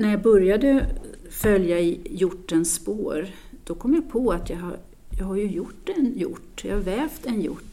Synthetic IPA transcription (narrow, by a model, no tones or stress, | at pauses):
næɾjɑːɡbœɾjad̪ə | fœljaɪjʊʈːɛnspoːɾ | d̪̥ɔkʰɔmːjapʰɔat̪ʰjɑa̰ɾ | jɑːɡhaɾjɵjʊʈːɛnjʊ̰ʈːjɑ̰haɾvɛːft̪ɛnjʊ̰ʈː